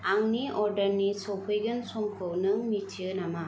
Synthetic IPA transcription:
aŋniɔɾdəɾnisowpʰɯjɡɯnsɔmkʰɯwnɯŋmitɯnama

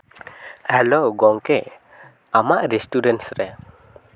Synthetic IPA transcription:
hɛloɡɔŋkɛ | amaʔɾisʈuɖɛnʈsɾɛ

